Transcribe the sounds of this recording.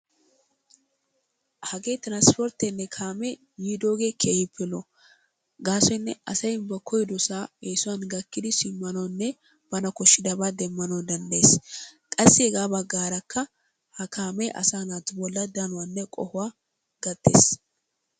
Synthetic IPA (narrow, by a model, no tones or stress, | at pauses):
hɐɡe̞ːt̪ɪɾanspɔɾt̪ɛnːɛkʰaːmɛ | jiːd̪oːɡe̞ːkʰeːhɪpːɪlɔ | ɡaːsɔnːɛ̰ʔɐsɐjɪmbɐkʰːɔjd̪ɔsaːeːsʊwɐnɡɐkːɪd̪ɪsɪmːɐnɔnːɛ | b̥ɐnɐkɔʃːɪd̪ɐbaːd̪ɛmːɐnɔwd̪ɐnd̪ɐeːskʼɐsːɪɛɡaːbɐɡːaːɾɐkːɐ | hɐkʰaːmɛʔɐ̰saːnat̪ʊbɔlːɐd̪ɐnʊwanːɛkʼɔhʊwaː | ɡ̥ɐt̪ːḛːs